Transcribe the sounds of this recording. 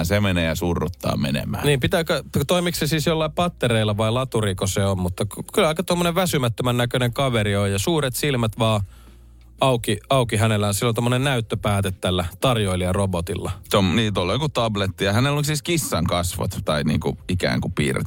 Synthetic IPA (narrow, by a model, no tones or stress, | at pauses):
nsemeneːjɑsurːut̪ːɑ̰ːmḛnḛmæ̰ːniːmpit̪æːkøt̪oimiksesiːsjolːɑipɑt̪ːereilːɑʋɑilɑt̪urikoseommut̪ːɑkkylːɑikɑt̪omːoneʋʋæsymæt̪ːømænnækøneŋkɑʋeriojjɑsuːret̪silmæt̪ʋɑː | ɑukiɑukiɦænelːæonsilːont̪omːonennæyt̪ːøpæːt̪et̪t̪ælːæt̪ɑrjoiliɑrobot̪ilːɑt̪omniːt̪olːekut̪ɑblet̪ːiɑhænelolisiskisːɑŋkɑsʋɑ̰t̪t̪ɑinḭːŋkuikæ̰ːŋkupḭːrḛt̪